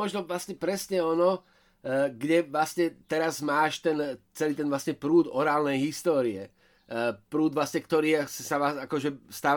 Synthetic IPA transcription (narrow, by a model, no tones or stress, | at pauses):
ɔʒnɔʋlasɲɛpɾɛsɲɛɔnɔ | ɡɟɛʋlasɲɛt̪ɛɾazmaːʃt̪ɛnt͡sɛliːt̪ɛnʋlasɲɛpɾuːd̪ɔɾaːlnɛjɦist̪ɔːɾiɛ̰ | pɾuːd̪ʋlasɲɛkt̪ɔɾiːssaaakɔʒɛst̪aːʋ